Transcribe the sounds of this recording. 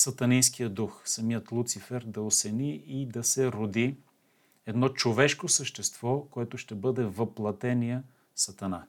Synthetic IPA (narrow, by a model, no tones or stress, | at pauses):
sɐt̪ɐninsk̟ijəd̪uxsɐmijət̪lˠut̪sifɛɾd̪ɐosɛniid̪ɐsɛɾod̪i | ɛd̪nɔt͡ʃovɛʃkosəʃt̪ɛst̪v̥ɔkoɛt̪ʊʃt̪ɛbɤd̪ɛvɐplˠɐt̪ɛniə | sɐt̪ɐna